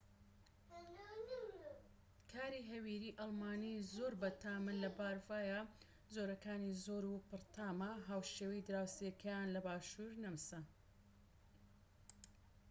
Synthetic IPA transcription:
kʰaːɾiɦɐwiːɾiːʔɑlˠmaːnizoːɾbɐt̪aːmɨnlɐbaːɾvaːja | zoɾɐkaːnizoːɾupɨɾt̪ʰaːmɐɦaːwʃeːwɐjd̪ɨɾaːwsekʰɐjanlɐbaːʃuːɾnɐmsɐ

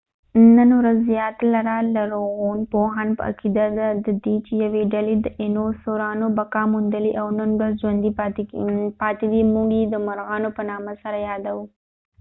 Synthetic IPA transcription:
nənwɾazːijɑt̪laɾalaɾoɣunpoɦanpə̰a̰kid̪ad̪ad̪əd̪it͡ʃejaweɖaled̪əʔɪnosoɾɑnobakɑmund̪əliʔawnənɡazd͡ʒwand̪i | pɑt̪ed̪imuɡjed̪əmaɾɣɑnopənɑmasaɾajɑd̪awu

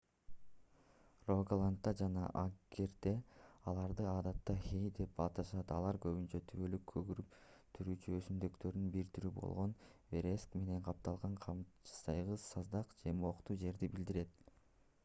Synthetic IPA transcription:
roɡlˠant̪ːɑd͡ʒɑnɑ̰ʔaɡe̞ɾd̪e̞ɑlˠɑɾd̪ɯɑːd̪ɑt̪ːɑhejd̪e̞p̚ɑːt̪ɑʃɑt̪ɑlˠɑɾkø̞βynt͡ʃøt̪ʰyβølykʰːøɡyɾypt̪ʰyɾyːt͡ʃyøsymd̪ø̞kt̪ø̞ɾd̪ynbiɾt̪yɾybo̞̰lˠʁo̞nve̞ɾeskme̞ne̞ɴqʰɑp̚t̪ɑlˠʁɑɴqʰɑmt͡ʃsɑjʁɯsɑzd̪ɑqd͡ʒe̞mo̞qt̪uːd͡ʒe̞ɾd̪ibild̪iɾe̞t̪

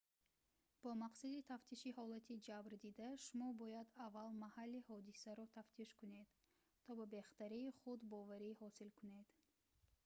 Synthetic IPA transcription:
b̥ɔmaqsad̪it̪ʰaft̪ʰiʃihɔlat̪ʰid͡ʒabɾd̪id̪aʃumɔbɔjad̪avːalmahalːihɔd̪isaɾɔt̪ʰaft̪ʰiʃkune̞d̪̥ | t̪ʰɔbabe̞χt̪aɾiːχud̪bɔvaɾihɔsilkʰuned̪̥

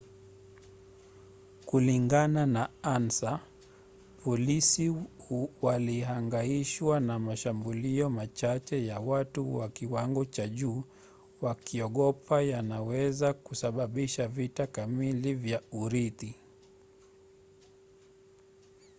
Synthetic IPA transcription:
kuliŋɡananaansa | pɔlisi | waliɦaŋɡaiʃwanamaʃambuliɔmat͡ʃat͡ʃɛjawatuwakiwaŋɡɔt͡ʃaʄuː | wakiɔɠɔpʰajanawɛzakusaɓaɓiʃavitakamilivjauɾiti

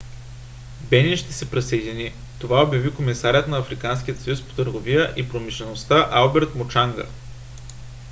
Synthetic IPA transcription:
bɛnʲiʃt̪ɛsɛpɾɛsəjd̪ʲini | t̪ovaobjɐvikomisaɾʲət̪nɐːfɾikansk̟ijət̪sɐjuspo̥t̪əɾɡovijəʔipɾomiʃlɛnost̪aʔalˠbɛɾt̪mot͡ʃaŋɡə̰

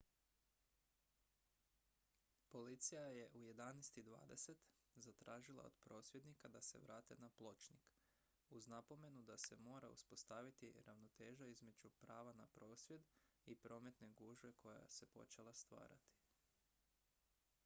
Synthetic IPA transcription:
po̞lit̪sijaje̞ʔuje̞d̪anɛjst̪id̪ʋa̰ːd̪e̞se̞t̪ | zat̪ɾaːʒilˠa̰o̰d̪pɾo̞ːsʋje̞d̪nikad̪ase̞̰ʋɾaːt̪e̞̰naplˠo̞t͡ʃnik | uznapo̞me̞nud̪ase̞mo̞ːɾauspo̞st̪aʋit̪iɾaʋno̞t̪e̞ːʒaizme̞d͡ʒupɾaːʋanapɾo̞ːsʋje̞d̪ | ipɾo̞ːme̞t̪ne̞ɡuʒʋe̞kʰo̞ja̰se̞po̞̰t͡ʃe̞lˠast̪ʋa̰ːɾa̰t̪i̥

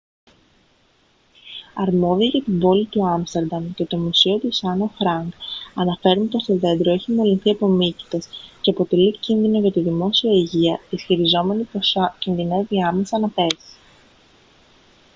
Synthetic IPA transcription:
ɐɾmo̞ðiɐʝɐt̪imbo̞lit̪uɐmst̪e̞ɾd̪ɐmce̞t̪o̞musio̞t̪isɐnofɾɐŋɡɐnɐfe̞ɾunp̪ost̪o̞ðe̞nd̪ɾo̞eçimo̞linθiɐpo̞mici̥t̪esce̞ɐpo̞t̪e̞licinðinoʝɐt̪iðimo̞siɐiʝiɐisçiɾizo̞me̞nipocinðine̞viɐme̞sɐnɐpe̞zi̥

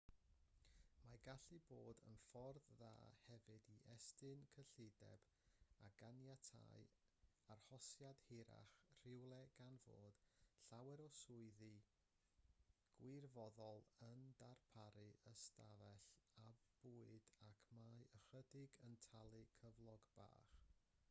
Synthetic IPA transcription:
maɡaɬɨboːdə̰nfɔrðða̰ːhɛvɨdiʔɛstɨnkʰəɬɪdɛ̰b̥ | aɡanjatʰa̰j | arhɔsjad̥hɪɾa̰χr̥ɪwlˠɛɡ̥anvo̰ːd̥ɬawɛɾɔsʊɨði | ɡ̥wɪrvɔðɔlˠəndarpʰaɾɨəstavɛɬabbuːɨdakʰmajəχədɪɡəntʰalˠɨkʰəvlˠɔɡb̥a̰ːχ

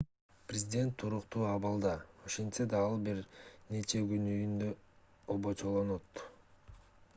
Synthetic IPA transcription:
prʲɪzʲidʲe̞nt̪ʰːuɾuqt̪uːɑβɑlˠd̪ɑo̞ʃe̞nt̪sed̪ɑːlˠbiɾnet͡ʃe̞ɡynyjynd̪ø | oβot͡ʃʰolˠonot̪

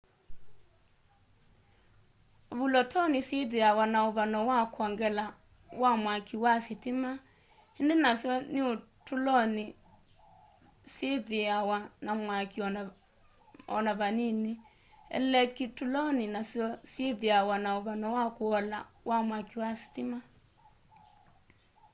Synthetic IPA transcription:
oβulɔtʰɔniseðiawanaoβanɔwakwɔŋɡɛla | wamwakʰiwasitima | hindenasjɔnio | tulɔni | seðiawanamwakiɔn | ɔ̰naβanini | ɛ̰lɛkitulɔninasjɔseðiawanaoβanɔwakoɔla̰wʔamwakiwasi̥tima

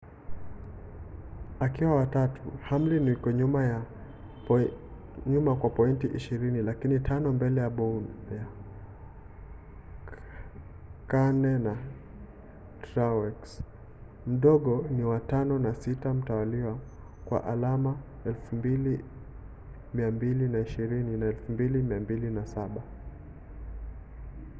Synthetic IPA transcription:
akiwawatatʰuham̩linwikɔɲumaja | ɲumakwapɔintiʔiʃiɾinilakinitʰanɔmbɛlɛjaɓɔunja | kanɛna | tɾawɛks | m̩ɗɔɠɔniwatanɔnasitam̩tawaliwa | kwa̰ʔalama | ɛlfumbili | miambilinaiʃiɾininaɛlfumbilimiambilinasaɓa

